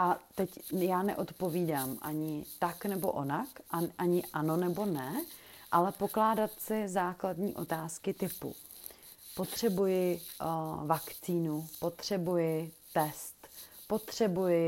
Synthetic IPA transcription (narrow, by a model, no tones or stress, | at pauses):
ʔat̪ɛcjaːnɛ̰ʔo̞t̪po̞viːdaːmʔa̰ɲɪt̪aknɛbo̞̰ʔonakʔaʔaɲɪʔano̞nɛbo̞nɛʔalɛpo̞klaːdat̪sɪzaːkladɲiːʔo̞t̪aːskɪt̪ɪpṵ | po̞t̪r̝̥ɛbujɪ | vakt͡siːnupo̞t̪r̝̥ɛbujɪt̪ɛst̪ | po̞t̪r̝̥ɛbujɪ